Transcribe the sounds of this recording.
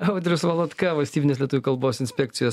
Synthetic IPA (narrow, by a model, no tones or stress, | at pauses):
ɐʊd̪ʲɾʲʊsʋɐlˠɐt̪kɐʋɐlʲsʲt̪ʲiːbʲnʲeːs̬ʲlʲiɛt̪uʋʲuːkɐlˠboːsɪnʲsʲpʲɛk̚t̪sʲɪjoːs